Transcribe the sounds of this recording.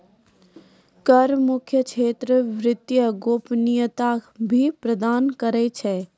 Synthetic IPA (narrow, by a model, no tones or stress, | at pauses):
kəɾmʊkʰjəkt͡ʃʰeːt̪ɾəʋɾɪt̪jəɡoːpnijət̪abʱipɾəd̪aːnkəɾɛt͡ʃʰɛː